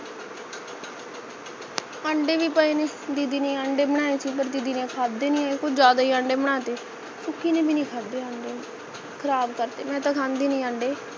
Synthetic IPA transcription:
ãːɳɖeːʋiːpəeːneː | d̪iːd̪iːneːaːɳɖeːbəɽ̃ãːesiːpəɾd̪iːd̪iːnẽːkʰaːdd̪eːnĩːaːekʊt͡ʃʰd͡ʒaːd̪aːiːãːɳɖeːbəɽ̃aːt̪eː | sʊkʰːiːnẽːbiːnĩːkʰaːd̪eːãːɳɖeː | kʰəɾaːbkəɾt̪eːmɛ̃ːt̪ãːkʰãːnd̪eːnĩːãːɳɖeː

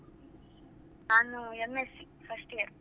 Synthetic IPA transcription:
naːnuemːesi | fʰɐsʈijɐɾ

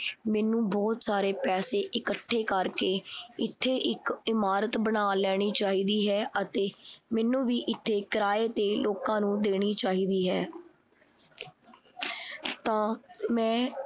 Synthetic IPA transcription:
mɛːnũːbɔːt̪saːɾeːpɛːseːʔɪkəʈʰːeːkəɾkeːɪt̪ʰːeːʔɪkɪmaːɾət̪bənaːlɛːɽ̃iːt͡ʃaːɦiːd̪iːɦɛːət̪eːmɛːnũːʋiːʔɪt̪ʰːeːkɾaːeːt̪eːloːkãːnũːd̪eːɽ̃iːt͡ʃaːɦiːd̪iːɦɛː | t̪ãːmɛ̃ː

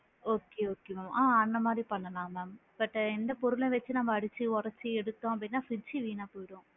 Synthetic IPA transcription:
oːkːeːoːkːemɐmaːɐnd̪ɐmaːd̪ɾipɐɳːɐlãːmɐmbɐʈːɛnd̪ɐpɔɾɯlẽʋɐt͡ʃːɯnɐmːɐːɽɯt͡ʃːɯɔɾɐt͡ʃːɯɛɽɯt̪ːõːɐp̬ɐɽɪnːaːfɪt͡ʃːiʋiːnaːpoːjɪɽõː

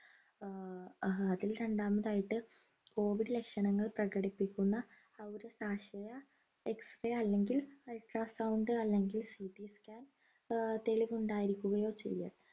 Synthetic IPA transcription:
ɐðilɾe̞ɳɖaːmɐðaːjiʈːɨ | ko̞ːʋiɽɨle̞kʂɐɳɐŋːɐɭprɐɣɐɽipːikʲːunːɐː | ʋoɾusaːɕɐjɐ | eksrɐjɐlːe̞ŋɡilɐjʈraːsɐwɳɖɨɐlːe̞ŋɡilsiʈːiskʲaːn | t̪e̞ɭiʋuɳɖaːjiɾikʲːuɣɐjo̞ːt͡ɕḛjːa̰ːl

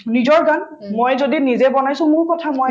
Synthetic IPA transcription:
nizɔɹɡan | mojzodinizɛbɔnajsʊ̃mʊɹkɔtʰamo

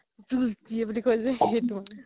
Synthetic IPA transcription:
zultiɛbulikojzɛetumanɛ

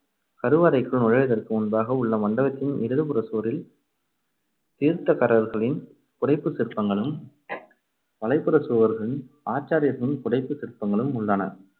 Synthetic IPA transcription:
kɐɾɯʋaːɾɐɪkːɯɭnʊɻɐɻɐðɐrkɯʊnbaːɣɐʊɭːɐmɐɳɖɐɣɐt̪ːɪnɪɾɯðɯpɯɾɐsuːɾɪl | t̪iːɾt̪ːɐkɐɾɐɾɣɐɭɪn | kʊɽɐɪpːɯsɪrpːɐŋɡɐɭɯm | ʋɐlɐɪpːɯɾɐsuːʋɐɾɣɐɭɯn | aːt͡ʃːaːɾɪjɐɾɣɐɭɪnkʊɽɐɪpːɯsɪɾpːɐŋɡɐɭɯmʊɭːɐnɐ̰

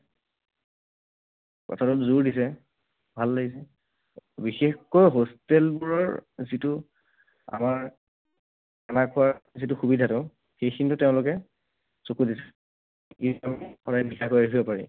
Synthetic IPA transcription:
kɔ̰tʰatɔtzuɹdisɛ | bʱalːaɡisɛ | bixexkɔjɦostelbuɹɔɹzitʊ | a̰maɹ | anakʰʊwaɹzitʊxubidʱatʊ | xejxʰintʊteʊ̃lʊkɛ | sokudisɛ | iamixɔdajbikʰakojaɦibɔpaɹḭ

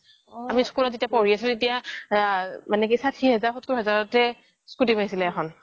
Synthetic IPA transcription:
amiskulɔtzetiapɔɹiasʊ̃etija | manɛkisatʰiɦɛzaɹxotkuɦɛzaɹɔtɛ | skutipaɦisilɛɛxʰɔn

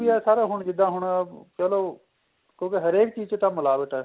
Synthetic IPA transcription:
iɛːsaːɾaːɦʊɳd͡ʒɪd̪ãːɦʊɳpɛːloː | kjõːkeɦəɾeːk̚t͡ʃiːzt͡ʃet̪ãːməlaːbəʈɛː

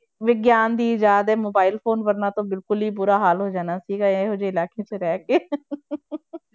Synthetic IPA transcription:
ʋɪɡjaːnd̪iːd͡ʒaːd̪ɛːmoːbaːɪlpʰoːnʋəɾnaːt̪õːbɪlkʊliːpʊɾaːɦaːlɦoːd͡ʒaːnaːsiːɡaeɦʊd͡ʒeːɪlaːkeːteɾɛːkeː

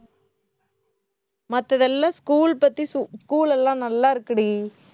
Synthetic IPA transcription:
mɐt̪ːɐðɛlːãːskuːlpɐt̪ːɾiskuːlɛlːãːnɐlːaːɪɾɯkːɐɽi

